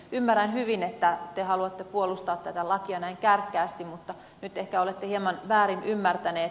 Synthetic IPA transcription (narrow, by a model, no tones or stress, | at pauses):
ymːærænhyʋinet̪ːæt̪ehɑluɑt̪ːepuolust̪ɑːt̪t̪æt̪ælɑkiɑnæiŋkærkːæːst̪immut̪ːɑ | nyt̪ehkæolet̪ːehiemɑnʋæːɾinymːært̪æneː